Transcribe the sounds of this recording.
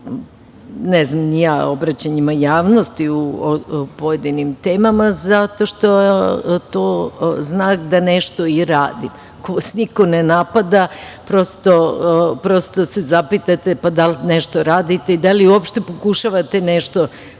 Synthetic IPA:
nɛznamnijaobɾat͡ɕaɲimajaːʋno̞st̪iu | poje̞d̪inimt̪eːmamazat̪o̞ʃt̪o̞at̪oznaːkd̪aneʃt̪o̞iɾaːd̪ḭm | kosnikonenapad̪apɾo̞st̪opɾo̞st̪osezapit̪at̪e̞pad̪alneʃt̪o̞ɾaːd̪it̪eid̪aliuopʃt̪e̞pokuʃaʋat̪e̞neʃt̪o̞

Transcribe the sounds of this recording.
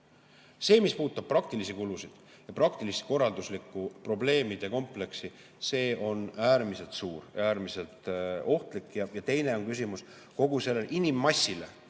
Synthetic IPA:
se̞ːmispuːt̪ːˑɑb̥̚pːrɑk̚t̪ilisikulusid̪̥ | jɑprɑkt̪ilist̪ko̞rːɑld̪uslikːˑupro̞ble̞ːmid̪̥e̞ko̞mple̞ksi | se̞ːo̞næːɾmise̞lt̪suːɾ̰æːɾmise̞lt̪o̞ht̪likːˑjɑjɑt̪e̞jne̞o̞nkysimus | ko̞ɡ̥use̞lːelʔinimːɑsʲːile

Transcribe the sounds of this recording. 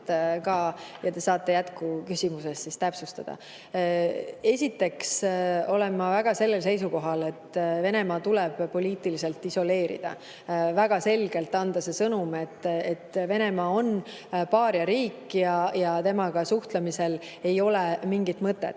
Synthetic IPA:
t̪kɑːjɑt̪e̞sɑːt̪ˑːe̞jæt̪kukysʲimuse̞sːist̪æpsust̪ɑd̪̥ɑ̰ | e̞sʲit̪ːe̞kso̞le̞mːɑvæɡ̥ɑse̞lːe̞lse̞jsuko̞ɦɑle̞t̪ːve̞ne̞mɑːt̪ulɛb̥pːo̞liːt̪ˑilise̞lt̪ːˑiso̞le̞ːɾḭd̪̥ɑ̰ | væɡ̥ɑse̞lɡe̞lt̪ːˑɑnd̪̥ɑse̞sɤnumet̪ːet̪ːve̞ne̞mɑːo̞n | pɑːɾjɑɾiːkːjɑjɑt̪e̞mɑkɑsuht̪lɑmise̞l | e̞jo̞lemiŋɡit̪mɤt̪ːḛt̪ːˑ

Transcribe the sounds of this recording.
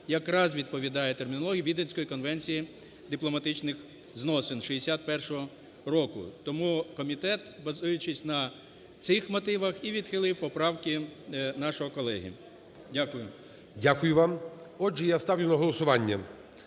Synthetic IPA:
jɐkɾɑzʋʲid̪̚pɔʋʲid̪ɑjɛt̪ermʲinɔlˠɔɦʲijʋʲid̪enʲsʲkɔjikɔnʋɛnʲt͡sʲiji | d̪ɪplˠɔmɐt̪ɪt͡ʃnɪx | znɔsenʃiesʲat̪̚pɛrʃɔɦɔ | ɾɔkʊ̰t̪ɔmukɔmʲit̪ɛt̪bɐzujʊt͡ʃɪsʲnɐ | t̪sɪxmɔt̪ɪʋɐxiʋʲid̪xɪlˠɪwpɔpɾɑwkɪnɑʃɔɦɔkɔlˠɛɦḭ | dʲakʊjʊ | dʲakʊjʊʋɑmɔd͡ʒɛjast̪ɑwnʲʊnɐɦɔlˠɔsʊʋɑnʲːɐ

